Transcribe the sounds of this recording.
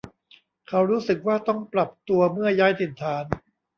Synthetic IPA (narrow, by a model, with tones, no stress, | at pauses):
kʰa˦˥wɾuː˦˥sɯ˨˩k̚waː˥˩t̪ɔ˥˩ŋpɾa˨˩p̚t̪u˧ɐmɯ˥˩ɐjaː˦˥jt̪ʰi˨˩nt̪ʰaː˩˦n